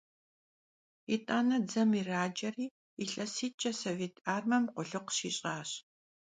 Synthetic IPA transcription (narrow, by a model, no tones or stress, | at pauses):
itʼaːnɐd͡zɐmiraːd͡ʒɐriː | iɬʼɐsiːt͡ʃʼɐsɐveːtʰʼaːrmɐmqʷʊɬɨqʃiːɕʼaːɕ